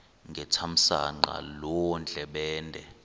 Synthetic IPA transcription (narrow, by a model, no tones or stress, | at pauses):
ŋɡʱɛtʰam̩sa̰ŋ͡ǃa̰lɔɔnd͡ɮʱɛɓɛːndʱɛ